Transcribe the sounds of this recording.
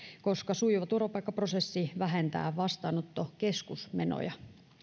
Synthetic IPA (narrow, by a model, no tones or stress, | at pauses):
ko̞skɑsuiʋɑt̪urʋɑpɑikːɑprose̞sːiʋæɦent̪æ̰ːʋɑst̪ɑːnot̪ːoke̞skusmeno̰jɑ